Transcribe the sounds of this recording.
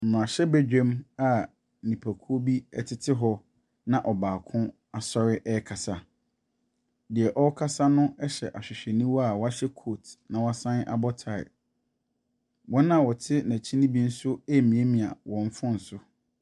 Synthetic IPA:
m̩˨m̃˨ã˨ɕɛ˦bɛ˦d͡ʑᶣɛ̃˦ma˦ | nĩ˨pʰæ˨kʰu˦o˦bi˦ɛ̰˦tʰɪ˦tʰɪ˦ɦɔ˦ | nã˨ʔɔ˨baː˨kʰʊ̃˦ | a˨sɔ˦ɾɪ˦ʔɛ˦kʰa˨sa˨ | dɪ˨ɛ˨ʔɔ˦kʰa˦sa˦nʊ̃˦ɛ˦ɕɛ˨ʔa˨ɕᶣɪ˨ɕᶣɛ˨nĩ˦wɔ˦a˨wɔ˦a˦ɕɛ˦kʰo˦˨tnã˨wɔ˦a˦sã˦nʔa̰˦bɔ˦tʰa˨ɪ̰˨ | wɔ̃˦nã˦˨wɔ˨tʰɪ˦næ̃˨t͡ɕʰi˦nĩ˦bi˦n̩˦sʊ˦ɛ˦˨mĩ˨e˦mĩ˨a̰˨wɔ̃˨ɱ˦fʊ̃˦n̩˨sʊ˦

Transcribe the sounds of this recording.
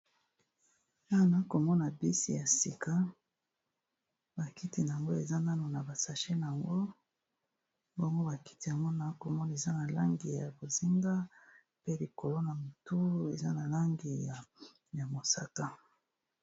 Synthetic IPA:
ja˦˨na˨˦ko˨mɔ˦na˨bi˦sḭ˨ja˨si˨ka˦ | ba˨ki˦ti˨na˨a˨ŋɡo˦e˨za˦na˦no˨na˨ba˨sa˨ʃe˦na˨ja˨ŋɡo˦ | bɔ˦ŋɡo˦ba˨ki̥˦ti˨ja˨ŋɡo˦na˨˦ko˨mɔ˦na˨e˨za˦na˨la˦ŋɡi˨ja˨bo˨zi˦ŋɡa˦ | pe˦li˨ko˨lo˦na˨mo˨tu˦e˨za˦na˨la˦ŋɡi˨ja˨ | ja˨mo˨sa˦ta˦

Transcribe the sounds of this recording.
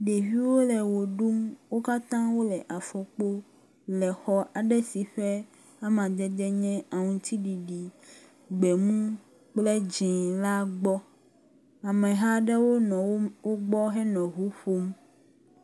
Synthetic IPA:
ɖe˨vi˦wo˦lɛ˨wo˨ɖu˦mwo˦ka˦t̪ã˦wo˦lɛ˨ʔa˨fɔ˨k͡po˦ | lɛ˨xɔ˨ʔa˨ɖɛ˦si˨ɸɛ˦ | a˦mã˨d͡ʒɛ˦d̪ɛ˦ɲɛ̃˦a˨ŋũ˨t̪ʰi˦ɖi˨ɖi˨ | ɡ͡bɛ˨mũ˦ | k͡plɛ˦d͡ʒĩ˨la˦ɡ͡bɔ˦ | a˨mɛ̃˨ɦa˦ɖɛ˦wo˦nɔ̃˨wo˦wo˦ɡ͡bɔ˦ɦɛ˦nɔ̃˨ɦu˦ɸo˦m

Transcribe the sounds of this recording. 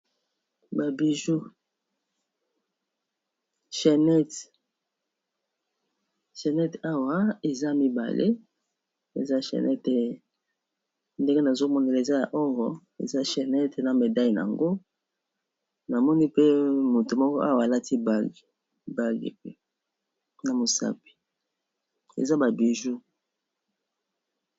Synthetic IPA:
ba˨bi˨ʒu˦ | ʃɛ˨nɛ˦t | ʃɛ˨nɛ˦ta˦wa˨˦e˨za˦mi˦ba̰˨lʔḛ˦ | e˨za˦ʃɛ̰˨nɛ˦te˨ | nde˦ŋɡe˦na˨zo˦mɔ˦ne˨la˨e˨za˦ja˨ʔɔ˦ɣɔ˨ | ḛ˨za˦ʃɛ˨nɛ˦te˨na˨me˨da˦ji˨na̰˨a̰˨ŋɡo˦ | na˨mɔ˦ni˦pe˦mo˨to˨mɔ˦kɔ˦ʔa˦wa˨la˦tʰi˦ba˦li˨ | ba˦lḭ˨pe˦ | na˨mo˨sa̰˦pi̥˨ | ḛ˨za˦ba˨bi˨ʒu˦

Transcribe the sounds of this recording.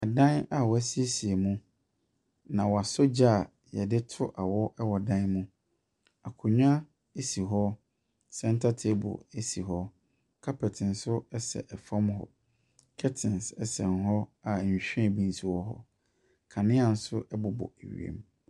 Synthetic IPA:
a˨dã˦na˨wɔ˨æ˦si˦e˦si˨e˨mũ˦ | nã˨wɔ˨a˨so˦d͡ʑa˦˨ | jɛ˨dɪ˦tʰʊ˦ʔa˨wɔ˦ʔɛ˦wɔ˨dã˦nmũ˦ | a˨kʰʊ̃˨ɲᶣ˦ã˦ | e˦si˨ɦɔ˦ | sɛ̃˦n˦tʰa˦tʰe˦bʊ̰˨e˦si˨ɦɔ˦ | kʰa˦pʰɛ˨tʰɪ̃˨n˨sʊ˦ɛ˦sɛ̰˨ʔɛ˨fɔ̃˦mɦɔ̰˨ | kʰɛ˦tʰɪ̃˨nsɛ˦sɛ̃˨n˨ɦɔ˦a˨ɕᶣɛ̃˦˨bĩ˨n˦si˨wɔ˦ɦɔ̰˦ | kʰã˨nɪ̃˦ã˨n̩˦sʊ˦ʔɛ˦bʊ˨bɔ̰˨e˨ɥḭ˨ḛ˦m

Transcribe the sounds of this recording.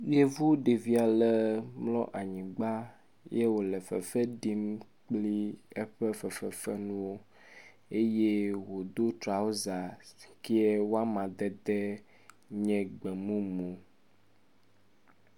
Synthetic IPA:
je˦vu˦ɖe˨vi˦a˨lɛ˦mlɔ̰˦ʔa˨ɲĩ˨ɡ͡ba˦ | je˦wo˨lɛ˨fɛ̰˨fɛ˦ɖi˦m | k͡pli˦e˦ɸɛ˦fɛ˨fɛ˨fɛ˦nũ˦wo˦ | e˦je˦wo˨d̪o˦t̪ɾa˨wo˦za˨ki˦ɛ˦wo˦a˦mã˨d̪ɛ˦d̪ɛ˦ | ɲɛ̃˨ɡ͡bɛ˨mũ˦mũ˨

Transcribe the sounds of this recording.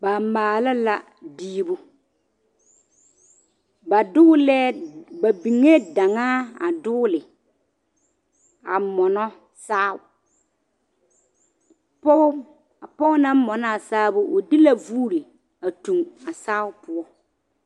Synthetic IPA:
ba˨maː˨la˦la˦ | diː˦bʊ˦ | ba˨dʊ˦lɛː˦ba˨bi˨ŋe˦da˨ŋaː˦a˨dʊː˦lɪ˨ | a˨mɔ˨nɔ˦ | saː˦˨ | p | pɔ˦nã˦mɔ˨na˦a˨saː˦bʊ˦ʔʊ˨dɪ˦la˦vuː˦ɾi˨ | a˨tu˨ŋa˨saː˦ʊ˦pʊ˦ɔ˦

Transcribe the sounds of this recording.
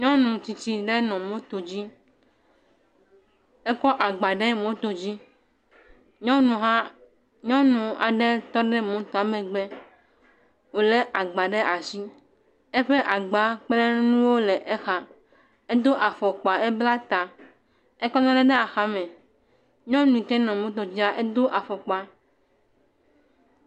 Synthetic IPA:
ɲɔ̃˦nũ˨t͡ɕi˨t͡ɕi˨ɖe˦nɔ̃˨mõ˦t̪o˨d͡ʑi˦ | e˦kɔ˦ʔa˨ɡ͡ba˨ɖe˦mõ˦t̪o˨d͡ʑi˦ | ɲɔ̃˦nũ˨ɦã˦ | ɲɔ̃˦nũ˨a̰˨ɖe˦t̪ɔ˦ɖe˦mõ˨˦t̪a˨˦mẽ˨ɡ͡bɛ˦ | wo˨le˦ʔa˨ɡ͡ba˨ɖe˦ʔa˨si˦ | e˦ɸe˦ʔa˨ɡ͡ba˨k͡ple˦nũ˦wo˦le˨ʔe˦xa˨ | e˦d̪o˦ʔa˨fɔ˨k͡pa˨ɛ˦bla˦t̪a˨ | e˦kɔ˦ɲɔ̃˦ɖe˦ɖe˦a˨xa˦mẽ˨ | ɲɔ̃˦nũ˨ĩ˨t̪ɛ˦nɔ̃˨mõ˦t̪o˨d͡ʑi˦a˦ʔe˦d̪o˦ʔa˨fɔ˨k͡pa˨

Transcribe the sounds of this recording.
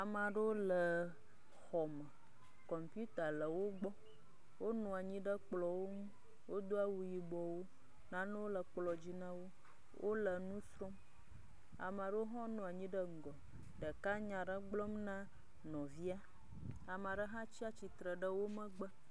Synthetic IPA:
a˨ma˨ɖə˦wo˦lə˨ | xɔ˨mə˨ | kɔ˨mpu˦t̪a˨lə˨wo˦ɡ͡bɔ˦ | wo˦nɔ̃˨a˨ɲĩ˦ɖə˦k͡plɔ˨wo˦mũ˦ | wo˦d̪o˦a˦wu˨ji˨bɔ˨wo˦ | nã˦nə˦wo˦lə˨k͡plɔ˨d͡ʑi˦nã˦wo˦ | wʔo̰˦lə˨nũ˦sɾo˦m | a̰˨mã˨ɖə˦wo˦ɦɔ̃˦nɔ̃˨a˨ɲĩ˦ɖə˦ŋ̩˨ɡɔ˨ | ɖə˨ka˦ɲã˨ɖə˦ɡ͡blɔ˦mnã˦ | nɔ̃˨vi˦a˦ | a˨m˨a˨ɖə˦ɦã˦t͡ɕi˦a˦t͡ɕi˨t̪ɾə˨ɖə˦wo˦mə̃˦ɡ͡bə˦

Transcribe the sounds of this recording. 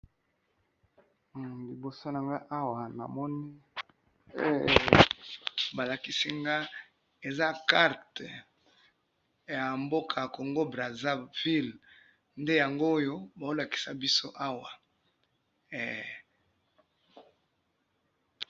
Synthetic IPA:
li˨bo˨so˦na˨ŋɡa˦ʔa˦wa˨na̰˨mɔ˦ni˦ | ba˨la˨ki˦si˦ŋɡa˦ | e˨za˦ka˦ʁt | ja˨mbo˦kʰa˨ko˨ŋɡo˦bʁa˨za˦vi˦l | nde˦ja˨ŋɡoː˦jo˦ba˨o˦la˨ki̥˨sa˨bi˦so˦ʔa˦wa˨

